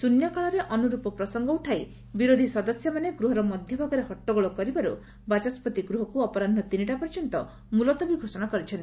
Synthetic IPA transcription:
sunjakaɭɔɾeʔɔnuɾupɔpɾɔsɔŋɡɔuʈʰaj | biɾod̪ʱisɔd̪ɔsjɔmaneɡɾuɦɔɾɔmɔd̪ʱjɔbʱaɡɔɾehɔʈːɔɡɔɭɔkɔɾibaɾṵ | bat͡ʃaspɔt̪iɡɾuɦɔkuɔpɔɾandʱɔt̪iniʈapɔɾt͡ʃɔnt̪ɔ | mulɔt̪ɔbiɡʱosɔnakɔɾit͡ʃʰɔnt̪i̥

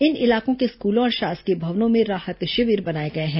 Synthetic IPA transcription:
ɪnɪlaːkõkeskuːlõɔːɾʃaːskebʱɐʋnõmẽɾaːhət̪ʃɐʋiːɾbɐnaːeɡɐeɦɛ̃ː

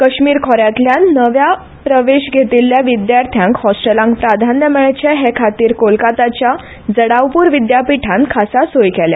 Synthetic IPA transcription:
kəɕmiːɾkʰɔɾjat̪ljanəʋja | pɾəʋeɕɡʱet̪ilːjaʋid̪jaɾt̪ʰjãŋkhɔsʈəlãŋkpɾad̪ʱanjəmɛɭt͡ɕeɦekʰat̪iːɾkolkat̪at͡ɕja | d͡zəɽawpuːɾʋid̪japiʈʰãnkʰasasojkɛlja̰

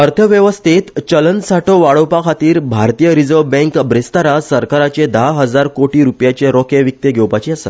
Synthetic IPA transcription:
əɾt̪ʰəʋjəʋəst̪ʰet̪t͡ɕələnsaʈʰoʋaɭowpakʰat̪iːɾbʱaɾt̪ijəɾid͡zəʋbɛ̃ŋkbɾest̪aɾasəɾkaɾat͡ɕed̪aɦəd͡zaɾkoʈiːɾupjat͡ɕeɾɔkẽʋik̚t̪eɡʱewpat͡ɕiːasa

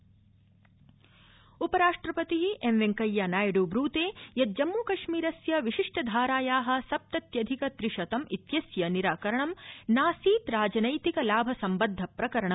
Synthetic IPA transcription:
upɐɾaːʂʈɾɐpɐt̪iɦiʔemʋeŋkɐjːanaːjɐɽubɾuːt̪eːjɐt̪̚d͡ʒɐmːuːkɐʃmiːɾɐsjɐʋiʃiʂʈɐd̪ʱaːɾaːjaːɦɐ̆sɐp̚t̪ɐt̪jɐd̪ʱikɐt̪ɾiʂɐt̪ɐmit̪jɐsjɐniɾaːkɐɾɐɳɐmnaːsiːt̪ɾaːd͡ʒɐnɐjt̪ikɐlaːbʱɐsɐmbɐd̪ʱːɐpɾɐkɐɾɐɳɐm

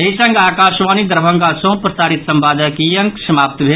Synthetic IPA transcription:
ɐɦisə̃ŋɡaːkaːʃʋaːnid̪əɾbʱə̃ŋɡasõːpɾɐsaːɾit̪sɐ̃mbaːd̪ʱəkijəŋksɐmaːp̚t̪bʱeː

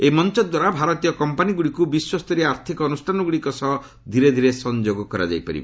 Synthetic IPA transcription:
emɔnt͡ʃɔd̪waɾabʱaɾɔt̪ijɔkɔmpaniɡuɽikubiswɔst̪ɔɾeaɾt̪ʰikɔɔnusʈʰanɔɡuɽikɔsɔɦ | d̪ʱiɾed̪ʱiɾesɔnd͡ʒoɡɔkɔɾa̰d͡ʒa̰jpaɾḭbḛ

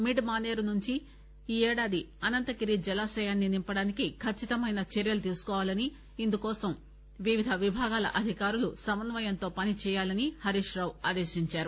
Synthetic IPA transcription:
miɖmaːneːɾunuɲt͡ʃi | iːɛːɽaːd̪i | ɐnɐnt̪ɐkiɾid͡ʒɛlaːsɐjaːnːinimpɐɽaːnikikʰɐt͡ʃːit̪ɐmɐjnɐt͡ʃeɾjɐlut̪iːsu̥kɔːʋaːlɐni | ind̪ukɔːsɐm | ʋiʋid̪ʱɐʋibʱaːɡaːlɐ̰ʔɐd̪ʱikaːɾulusɐmɐnʋɐjɐnt̪o̞ːpɐnit͡ʃɛːjaːlɐnihɐɾiʂɾaːwaːd̪eːʃiɲt͡ʃaːɾu

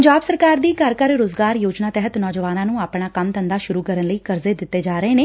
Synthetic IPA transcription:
ɲd͡ʒaːbsəɾkaːɾd̪iːkəɾkəɾɾoːzɡaːɾjoːd͡ʒnaːt̪ɛɦət̪nɔːd͡ʒəʋaːnãːnũːaːpɳaːkəmt̪ənd̪aːʃʊɾuːkəɾənləiːkəɾzeːd̪ɪt̪ːeːd͡ʒaːɾəeːneː

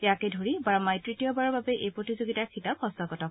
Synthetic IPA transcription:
ɛakɛdʱoɹibaɹmajtɹitijɔbaɹɔɹbabɛʔejpɹotizoɡitaɹkʰitaphɔstɔɡɔtɔk

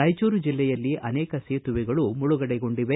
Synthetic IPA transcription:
ɐjt͡ʃoːɾud͡ʒilːɛjɐlːiʔɐnɛːkɐseːt̪uʋiɡɐɭumuɭuɡɐɽɛɡo̞ɳɖiʋe

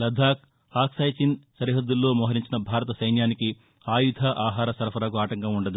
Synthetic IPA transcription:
lɐd̪ʱaːk̚ | aːksɐːjt͡ʃinsɐɾiɦɐd̪ːulːo̞ːmɔːɦɐɾiɲt͡ʃinɐbʱaːɾɐt̪ɐsɐjnjaːniki | aːjud̪ʱaʔaːɦaːɾɐsɐɾɐpʰɐɾaːkuaːʈɐŋkɐmuɳɖɐd̪u

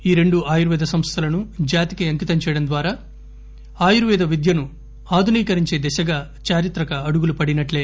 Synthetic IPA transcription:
iːɾe̞ɳɖuaːjuɾuʋɛːd̪ʱɐsɐmst̪ʰɐlɐnud͡ʒaːt̪ikɐɐŋkit̪ɐmt͡ʃɛjɐɽɐmd̪ʋaːɾaː | aːjuɾuʋɛːd̪ʱɐʋid̪jɐnu | aːd̪ʱuniːkɐɾiɲt͡ʃeːd̪ɛʃɐɡaː | t͡ʃaːɾit̪ɾɐkɐːɽuɡulupɐɽinɐʈleː

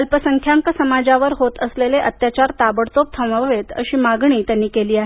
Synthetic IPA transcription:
əlpəsəŋkʰjaŋkəsəmad͡zaʋəɾɦot̪əsleleʔət̪jat͡ɕaɾt̪abəɽt̪op̚t̪ʰəʋəʋet̪ə̰ɕiːmaɡɳiːt̪janːiːkeliːaɦe

